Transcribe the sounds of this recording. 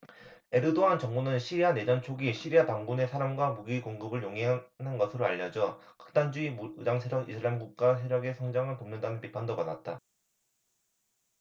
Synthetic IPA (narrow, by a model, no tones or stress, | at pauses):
e̞ɾɯdoɦant͡ɕʌŋmunɯnɕʰiɾiane̞d͡ʑʌnt͡ɕʰoɡiɕʰiɾiataŋɡune̞sʰaɾamɡwamuɡiɡoŋɡɯbɯɭjoŋeɦanɦanɡʌsʰɯɾoaʎːʌd͡ʑʌkɯ̥k̚t͈and͡ʑuimuɯdaŋsʰeɾjʌɡisʰɯɭamɡuk̚k͈as̬ʰeɾjʌɡe̞sʰʌŋd͡ʑaŋɯɭtomnɯndanɯnpipʰandomadat̚t͈a